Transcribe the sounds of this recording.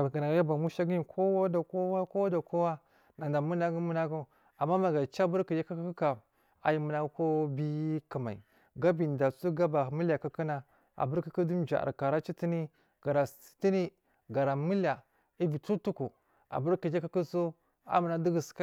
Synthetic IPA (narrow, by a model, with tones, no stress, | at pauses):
ɡa˨na˨ɡja˦ba˨mu˦ʃa˦ɡi˦ji˨kʰo˦wa˦da˨ko˦wa˦ko˦wa˦da˨ko˦wa˦ | na˨n˨da˨mu˦na˦ɡu˦mu˦na˦ɡu˦ | a˨mːa˦ma˨ɡa˨t͡ʃa˦bu˦ɾki˨d͡ʒa˦ka˦kku˦ka˨ | a̰˨ji˦mu˨na˦ɡu˦ko˦bi˦ki˨ma̰˨ḭ˨ | ɡa˦bi˨n˨da˨su˦ɡa˦ba˨mi˦la˨kə˦ki˦na˨ | a̰˨bu˦ɾki˦ku˦du˦md͡ʒa̰˨ʔa̰˨ka˨ɾa˦t͡ʃi˦ti˦ni˦ | ɡ̥a˨ɾa˨i̥˦ti˦ni˦ | ɡa˨ɾa˨mi˦la˨ | i˦bi˨tu˦tu˦ku˨ | a̰˨bu˦ɾki˨d͡ʒa˦ki˦ku˦so˦ | a̰˨mu˨na˦di˦ɡi˨ska˦